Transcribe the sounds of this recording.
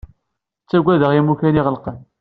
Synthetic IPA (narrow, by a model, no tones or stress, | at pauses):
t͡sːæɡʷːæðəʁimukæniʁəlqən